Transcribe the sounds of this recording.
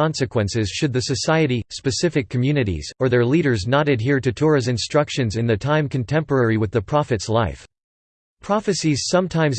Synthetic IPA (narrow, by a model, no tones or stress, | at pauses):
ɑ̃nsɨkʰwɛ̃nsɪz̥ʃɨd̪̚ðɨsɨsaɪɨɾispɨsɪfɨkʰːəmjʉnɨɾḭz̥ə˞ðə˞liɾə˞znɑɾɨd̚ɦiɹɾɨtʰʊɹɨzɨ̃nstɹ̥ʌkʃɨ̃nzɨ̃nðɨtʰãɪ̃mkʰɨ̃n̩tʰɛ̃mpə˞ɛɹiwɨðɨpʰɹ̥ɑfɨtslaɪf | pʰɹ̥ɑfɨsiz̥sʌ̃mtʰãɪ̃mz